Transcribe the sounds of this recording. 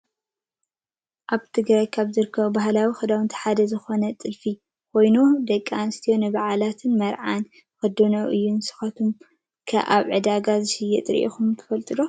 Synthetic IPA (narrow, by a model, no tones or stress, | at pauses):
ʔaβt̪ʰɨɡɾajkʰaβzɨɾɨkʰːɐβubaɦlawixɨd̪awɨnt̪ʰi̥ħad̪ɐzɨxo̞nɐt͡s̪ʼɨlfi | kʰo̞jnud̪ɐkʼːanɨst̪ʰijonɨβaʕalat̪ʰɨnmɐɾʕan | kɐd̪onoʔɨjːunsɨ̥xɐt̪ʰum | kʰɐ̰ʔa̰βʕɨd̪aɡazɨʃɨjːɛt̪ʼɾʔḭxumt̪ʰɐ̥fɐlt̪ʼɨd̪o